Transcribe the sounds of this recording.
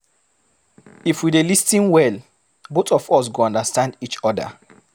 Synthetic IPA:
ifwidelistĩnwɛl | botɔfɔs̬ɡoɔ̃ndastãndit͡ʃɔda̰

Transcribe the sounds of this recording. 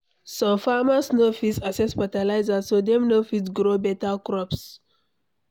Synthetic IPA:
sɔ̃mfamasnofisasɛspatalaɪzasodɛ̃mnofisɡɾobɛtakɹɔps

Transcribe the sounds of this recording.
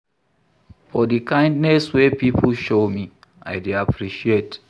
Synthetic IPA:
fɔdikãɪ̃ndnɛswepipʰl̩ʃomi | a̰ɪdeapʰɹiʃiet

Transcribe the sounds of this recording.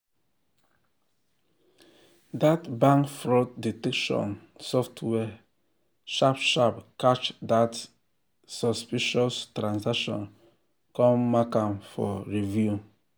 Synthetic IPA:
datbãŋkfɹɔtditɛkʃɔ̰̃n | sɔftʰwɛ | ʃapʃapkat͡ʃdat | sɔspiʃɔstɾãnsakʃɔ̰̃n | kɔ̃mːakãmfɔ̰ɹivju

